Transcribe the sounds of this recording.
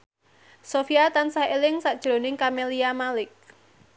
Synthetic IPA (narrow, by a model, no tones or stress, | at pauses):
sofiat̪ansahelɪŋsad̥ʒ̥ɾo̤nɪŋkameliamalɪk̚